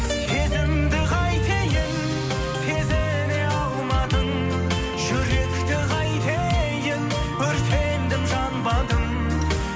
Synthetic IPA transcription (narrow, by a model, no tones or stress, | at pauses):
t̪ʰezɪmd̪ɪʁɑjt̪ʰejɪn | t̪ʰe̞ze | neɑlˠmɑd̪əŋ | ʒʏɾe̞kt̪ɪʁʰɑjt̪ʰejɪn | bɪɾt̪ʰend̪ɪmʒɑnbɑd̪əm